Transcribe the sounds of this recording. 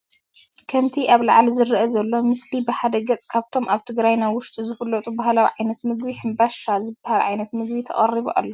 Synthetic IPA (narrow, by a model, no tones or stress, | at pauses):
kʰɐmt̪ʰiʔaβla̰ʕlzɨɾʔɐzɐlːo̞mɨslibɨħad̪ɐɡɐt͡sʼkʰaβt̪ʰo̞mʔaβt̪ʰɨɡɾajnajwʊʃt̪ʼizɨfɐlːɐt̪ʼubahlawiʕajnɐt̪mɨɡbiħɨnbaʃazɨbahalʕa̰jnɐt̪mɨɡbit̪ʰɐ̰χʼɐriβo̰ʔa̰lːo